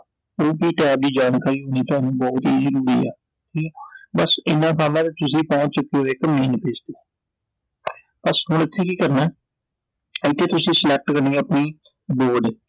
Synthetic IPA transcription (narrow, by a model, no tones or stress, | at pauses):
oːbiːʈɛːp̚d̪iːd͡ʒaːnkaːiːɦoːniːt̪oaːnũːbɔːt̪iːzəɾuːɾḭːɛ̰ː | ʈʰiːkɛbəsɪnãːpʰaːmãːt̪eːt̪ʊsĩːpɔ̃ːt͡ʃt͡ʃʊkːeːɦoːeːkəmeːnpɪd͡ʒt̪eː | bəsɦʊnɪt̪ʰːeːkiːkəɾnɛː | t̪ʰːeːt̪ʊsĩːslɛk̚ʈkəɾneeəpniː | boːɖeː